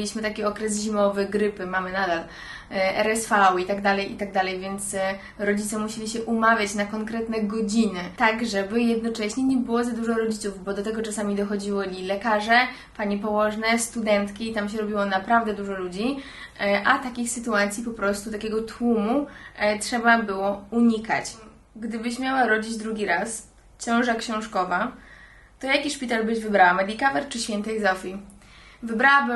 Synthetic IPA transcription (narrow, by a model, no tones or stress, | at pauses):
lʲiɕmɘt̪akʲɛɔkɾɛs̬ʑimɔvɘɡɾɘpɘmamɘnad̪al | ɛɾɛsfawit̪aɡd̪alɛjʔit̪aɡ̚d̪alɛjvʲjɛnt̪s | ɾɔd͡ʑit̪sɛmuɕelʲiɕɛʔumavʲjat͡ɕnakɔŋkɾɛt̪nɛɡɔd͡ʑinɘt̪aɡʐɛbɘjɛd̪nɔt͡ʂɛɕɲɛɲɛbɘwɔzad̪uʐɔɾɔd͡ʑit̪suvbɔd̪ɔt̪ɛɡɔt͡ʂasamʲid̪ɔxɔd͡ʑiwɔlʲilɛkaʐɛ | paɲipɔwɔʐnɛst̪ud̪ɛnt̪kʲiːt̪amɕɛɾɔbʲiwɔnapɾavd̪ɛd̪uʐɔlud͡ʑi | ʔat̪akʲixsɘt̪uat̪sʲjipɔpɾɔst̪ut̪akʲɛɡɔt̪ʰwumutʂɛbabɘwɔuɲika̰t͡ɕ | ɡd̪ɘbɘɕmʲjawaɾɔd͡ʑid͡ʑd̪ɾuɡʲiɾas | ɕɔ̃w̃ʐakɕɔ̃w̃ʂkɔva | t̪ɔjakʲiʂpʲit̪albɘʑvɘbɾawamɛd̪ʲikavɛɾt͡ʂɘɕfʲɛnt̪ɛjzɔfʲi | vɘbɾawabɘ